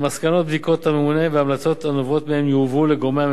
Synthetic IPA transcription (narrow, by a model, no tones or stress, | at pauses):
maskano̞t̪̚bd̪iko̞t̪hamemune̞veamlat͡so̞t̪anovo̞t̪mehemjuvuleɡomea